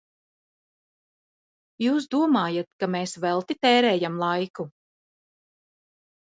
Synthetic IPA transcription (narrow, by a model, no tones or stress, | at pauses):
juːs̬d̪uɔmaːjat̪̚kameːsvɛlˠt̪it̪ɛːɾɛːjamlˠajku